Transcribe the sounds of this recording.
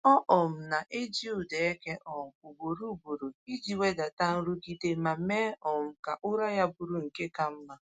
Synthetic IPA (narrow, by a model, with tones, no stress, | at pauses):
ɔ˦ʔɔ˨m̩˨na˨ʔe˦d͡ʒi˦ʊ˨de˨e˦ke˦ʔɔ˨m̩˨ʊ˨bo˨ɾu˦˨bu˨ɾu˨i˦d͡ʒi˨we˦da˨ta˦n̩˦ɾu˦ɡi˦de˨˦ma˨me˦ɔ˨m̩˦˨ka˨ʔʊ˦ɾa˦ja˦bu˨ɾu˨ŋ̩˨ke˦ka˨m̩˦ma˦